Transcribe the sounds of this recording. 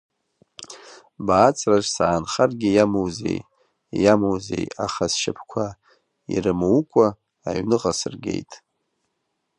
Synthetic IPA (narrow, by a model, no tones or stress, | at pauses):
baːt͡sʼʰraʐsaːnχarɡʲɪjamowzḛj | jamowzḛja̰χasʃɪpʰkʷʰa | ḭrɨmɨukʷʼa̰ː | ɥnɨqʼasɨrɡʲe̞̰jtʼ